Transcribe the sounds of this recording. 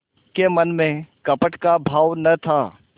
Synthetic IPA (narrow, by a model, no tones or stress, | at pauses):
kemɐnmẽkɐpəʈkabʱaːʋnɐt̪ʰaː